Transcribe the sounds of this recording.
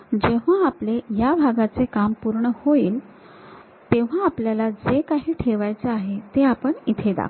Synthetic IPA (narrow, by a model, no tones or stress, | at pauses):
d͡ʑeʋ̤aaplejabʱaɡat͡sekampuɾɳəhoiːl | t̪eʋ̤aːpljalad͡zekaɦiːʈʰeʋajt͡seaɦet̪eapəɳit̪ʰed̪a̰k